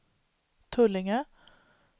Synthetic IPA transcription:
t̪ʰœlɪŋə

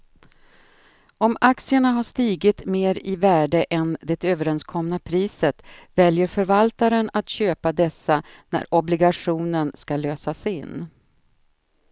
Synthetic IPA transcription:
ɔmaksɪəɳaɦaʂt̪iːɡɪt̪meːɾɪvæːɖəʔɛnd̪ɛt̪øːvəɾɛnskʰɔmnapʰɾiːsət̪vɛljəɾfœɾvalt̪aɾənat̪ɕøːpad̪ɛsːanæ̰ɾʔɔblɪɡaʂuːnənskaløːsasɪ̰nː

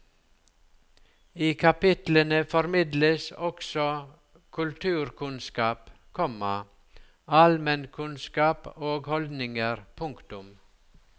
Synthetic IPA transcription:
iːkʰɑpɪt̪lənəfɔɾmɪd̪ləsɔksɔ | kʰʉlt̪ʰʉːɾkʰʉnskɑːp | kʰɔmɑ | ɑlmənkʰʉnskɑːpoːɡhɔld̪nɪŋəɾpʰʊŋkt̪ʊm

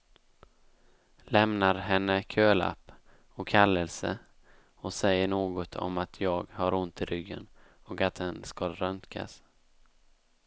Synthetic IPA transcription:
lɛmnaɾɦɛnːəkʰøːla̰pː | ɔkʰːalːɛlsə̰ | ɔsɛjːəɳoːɡɔt̪ʰɔ̰mat̪ʰjɑːɡhaɾʊnt̪ɪɾʏɡːə̰nɔkat̪̚d̪ɛnskaɾœnkʰa̰s

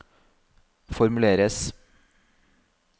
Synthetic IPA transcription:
fɔɾmʉleːɾəs

